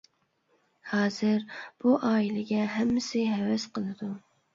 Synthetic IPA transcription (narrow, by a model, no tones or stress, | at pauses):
hɑːzɨɾb̥uʔɑːilɪɡʲɛɦɛmːɪsɪɦɛwɛsqʰəlˠɨd̪u